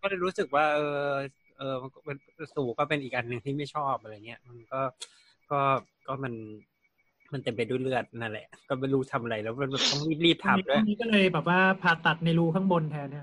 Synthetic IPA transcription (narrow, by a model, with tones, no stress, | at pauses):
kɔː˥˩lɤː˧jɾuː˦˥sɯ˨˩k̚waː˥˩ʔɤː˧ | ʔɤː˧a˧nkɔ˥˩˧nsuː˨˩kɔː˥˩pe˧nʔiː˨˩k̚ʔa˧nːɯ˨˩ŋt̪ʰiː˥˩ma˥˩jt͡ɕʰɔː˥˩p̚ʔa˧ɾa˧jŋi˦˥ɐ˧ma˧nkɔː˥˩ | kɔː˥˩ | kɔː˥˩ma˧n | ma˧nt̪e˧mpa˧jduː˥˩jlɯ˥˩ət̪̚na˦˧˩lɛ̰˨˩ʔkɔː˥˩ma˥˩jɾuː˦˥t̪ʰa˧mʔa˧ɾa˧jlɛː˦˥wma˧nbɛː˨˩p̚t̪ɔ˥˩ŋliː˦˥˩liː˥˩p̚t̪ʰa˨˩˨du˦˥˧niː˦˥kɔː˥˩lɤː˧jbɛː˨˩p̬̚waː˥˩pʰaː˨˩t̚t̪a˨˩t̪̚na˧jɾuː˦˥˩kʰaː˥˩ŋbo˧nt̪ʰɛː˧ni˦˥ɐ˨˩